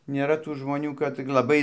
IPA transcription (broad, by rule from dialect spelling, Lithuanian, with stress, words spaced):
nʲeːˈrɐ tuː ʒmoːˈnʲuː kɐt t͡sʲɪk lˠɐˈbɐɪ